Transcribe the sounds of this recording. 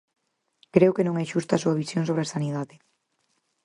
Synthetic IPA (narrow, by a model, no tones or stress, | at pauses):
kɾewkenõŋɛʃust̪ɐːsuɐβisjoŋsoβɾeasaniðaðɪ